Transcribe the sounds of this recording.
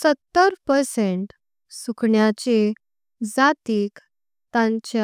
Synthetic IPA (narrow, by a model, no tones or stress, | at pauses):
sət̪ːəɾpəɾseɳʈ | sukʰɳjat͡ɕe | d͡zat̪iːk | t̪ãɲt͡ɕe